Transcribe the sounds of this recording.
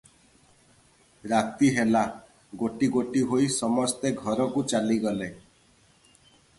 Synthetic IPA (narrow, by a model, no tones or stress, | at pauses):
ɾat̪iɦela | ɡoʈiɡoʈiɦojsɔmɔst̪eɡʱɔɾɔkut͡ʃaliɡɔle